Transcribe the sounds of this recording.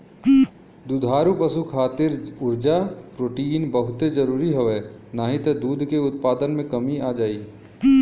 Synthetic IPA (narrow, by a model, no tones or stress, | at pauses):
d̪ud̪ʱaːɾupəsukʰaːt̪ɪɾʊɾd͡ʒapɾoːʈiːnbəɦʊt̪ed͡ʒɐɾuːɾiɦoʋenaːɦit̪ed̪uːd̪ʱkeʊt̪̚paːd̪ənmẽkɐmiaːd͡ʒaːiː